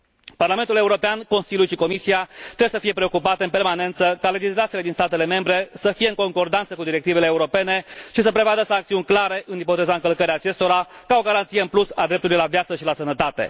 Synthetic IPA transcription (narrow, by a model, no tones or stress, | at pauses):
parlament̪ule̞uɾo̞peanko̞nsilʲulʃiko̞misiat̪ɾebesəfije̞pɾe̞o̞kupat̪e̞ɨnpe̞rmane̞nt̪səkale̞d͡ʒislat̪sile̞d̪inst̪at̪e̞le̞me̞mbɾe̞səfije̞ɨŋko̞ŋko̞rd̪ant̪səkud̪iɾe̞k̚t̪ive̞leːuɾo̞pe̞ne̞ʃisəpɾe̞vad̪əsaŋkt̪siunʲklaɾe̞ʔɨnipo̞t̪e̞zaɨŋkəlkəɾeaːt͡ʃe̞st̪o̞ɾakao̞ɡaɾant̪sijeɨnplusad̪ɾe̞p̚t̪ulujlavjat̪səʃilasənət̪at̪e̞̰